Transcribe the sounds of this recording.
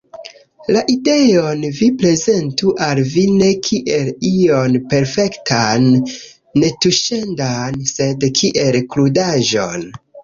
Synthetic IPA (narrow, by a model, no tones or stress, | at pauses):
laʔide̞o̞nvipɾe̞ze̞ntuʔalvine̞kʰiʔelio̞npe̞ɾfe̞ktʰanː | etuʃe̞ndanse̞dkʰiʔe̞lkludaʒo̞̰n